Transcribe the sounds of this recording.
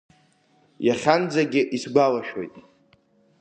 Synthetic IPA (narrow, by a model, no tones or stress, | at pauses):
jaχʲand͡zaɡʲɪʔisɡʷalaʃᶣo̞jtʼ